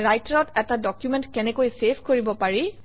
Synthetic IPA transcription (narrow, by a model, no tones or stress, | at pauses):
ɹajtaɹɔtɛtadɔkjumɛ̃ntkɛnɛkojsepʰkoɹibɔpaɹi